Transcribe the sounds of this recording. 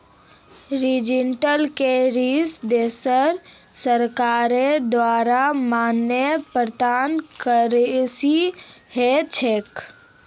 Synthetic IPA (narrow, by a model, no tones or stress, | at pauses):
ɾid͡ʒɪɳʈəlkeɾisd̪eːsəɾ | səɾkaːɾed̪waːɾamaːnjəpɾəd̪aːnkəɾesihet͡ʃʰek